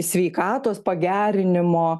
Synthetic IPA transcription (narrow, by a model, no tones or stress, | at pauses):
sʲʋʲɛɪkɑːt̪oːspɐɡʲæːɾʲɪnʲɪmoː